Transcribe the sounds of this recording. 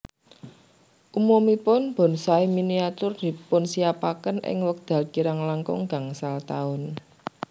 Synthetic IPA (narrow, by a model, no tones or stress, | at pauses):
ʔumumipʊnb̥ɔ̤nsaiminiat̪ʊrd̪̥i̤pʊnsiapakənʔɪ̰ŋwək̚d̪̥a̤lkiɾaŋlaŋkɔ̰ŋɡa̤ŋsalt̪aʊn